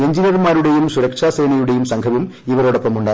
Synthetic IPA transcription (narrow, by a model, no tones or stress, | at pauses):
eɲd͡ʑinɐrmaːɾuɽe̞jumsuɾɐkʂaːseːnɐjuɽejumsɐŋɡʰɐʋum | iʋɐɾoɽɐpːɐmuɳɖaː